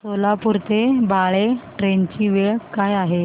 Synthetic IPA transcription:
solapuɾt̪ebʱaɭeʈɾent͡ɕiːʋeɭkajaɦe

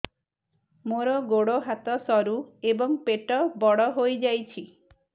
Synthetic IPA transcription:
moɾɔɡoɽoɦat̪ɔsɔɾuebɔŋpeʈɔbɔɽɔɦojd͡ʒajt͡ʃʰi

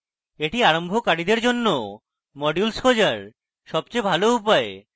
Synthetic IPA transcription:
eʈiaɾombʱokaɽid̪eɾd͡ʑonːo | mɔɖjulskod͡ʑaɾ | ʃɔbt͡ɕebʱaloupae

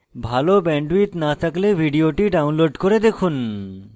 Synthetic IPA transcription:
bʱalobɛɳɖuwit̪nat̪ʰaklebʱiɖioʈiɖawnloɖkoɾed̪ekʰun

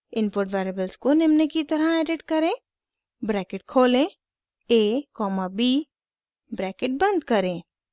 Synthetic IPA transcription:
ɪnpoːɾʈʋaːɾəbəlskonɪmnekit̪ɐɾaɛːɖɪʈkɐɾẽː | bɾɛːkɪʈ̚kʰoːlẽ | eːkɔːmabiː | bɾɛːkɪʈ̚bə̃nd̪kɐɾẽː

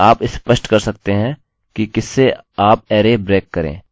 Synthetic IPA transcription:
aːpɪspəʃʈkɐɾsɐk̚t̪eɦɛ̃ | kikɪsːeaːpɛːɾebɾeːkːɐɾḛ̃ː

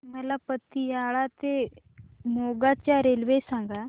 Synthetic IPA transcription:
məlapət̪ːijaɭat̪e | moɡat͡ɕjaɾelʋesãŋɡa

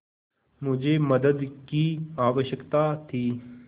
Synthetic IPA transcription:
mʊd͡ʒʱeməd̪əd̪kiaːʋəʃəkt̪at̪ʰiː

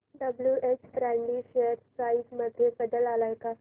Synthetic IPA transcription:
ɖəbljuʔet͡ɕʰɾaɳɖiɕeəɾsaisməd̪ʱːjebəd̪əlalajka

